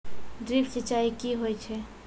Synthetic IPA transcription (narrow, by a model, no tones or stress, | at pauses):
ɖɾipsit͡ʃaikiɦojt͡ʃʰɛ